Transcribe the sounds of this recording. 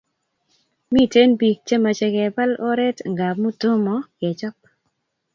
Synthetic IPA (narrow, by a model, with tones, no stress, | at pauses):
mi˦˨te˦nbi˨k̚t͡ʃe˦ma˨t͡ʃe˧kɛ˨ba˦lo˦ɾɛ˦tŋɡa˨mu˦tʊ˦mɔ˨kɛ˨t͡ʃɔ˦p̚